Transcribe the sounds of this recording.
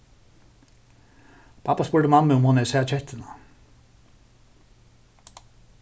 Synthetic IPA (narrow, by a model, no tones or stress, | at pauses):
pʰɑpɑspʉːɖəmɑməʊmhɑnɛsɛɑt͡ʃʰɛt̪ʰənɑ